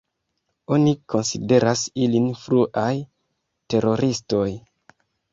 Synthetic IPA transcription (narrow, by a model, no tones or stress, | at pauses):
o̞niko̞nsḭde̞ɾasilinfɾuʔaj | te̞ɾo̞ɾisto̞j